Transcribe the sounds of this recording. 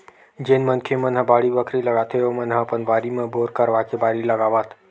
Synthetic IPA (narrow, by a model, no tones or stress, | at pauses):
d͡ʒenmɐ̃nkʰemɐ̃nɦɐbaːɽiʋəkɾilɐɡaːt̪ʰeoːmɐnɦaɐpənʋaːɾimẽboːɾkɐɾʋakebaːɾilɐɡaːʋət̪ʰ